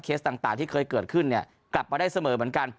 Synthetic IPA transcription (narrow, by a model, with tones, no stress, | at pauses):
kʰeː˦˥st̪aː˨˩ŋt̪aː˨˩ŋt̪iː˥˩kʰɤː˧jkɤː˨˩t̪̚kʰɯ˥˩nːi˥˩ɐ | kla˨˩p̚ːma˧da˥˩jsa˧mɤː˨˩˦m˩˦ənka˧n